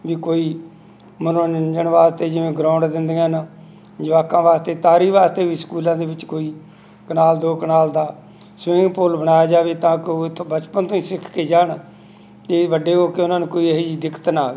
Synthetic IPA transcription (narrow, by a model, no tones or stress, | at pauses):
biːkoːiː | mənõːnɪnd͡ʒəɳʋaːst̪eːd͡ʒɪʋẽːɡɾaːʊ̃ɳɖd̪ɪnd̪ejãːn | d͡ʒəʋaːkãːʋaːst̪eːt̪aːɾiːʋaːst̪eːʋiːskuːlãːd̪eːʋɪt͡ʃkoːiː | kənaːld̪oːkənaːld̪aː | sʋɪ̃ɡpoːlbənaːjaːd͡ʒaːʋeːt̪ãːkɪoːbət͡ʃpənt̪õːiːsɪkʰkeːd͡ʒaːɳ | t̪eːʋəɖeːoːkeʊnãːnũːkoːiəɦeːd͡ʒiːd̪ɪkʰə̥t̪naː